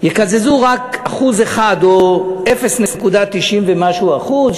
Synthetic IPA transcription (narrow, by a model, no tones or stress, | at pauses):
jekazezuʁakaχuzeχad̪oe̞fesnesnekud̪at̪iʃimvemaʃuaχuz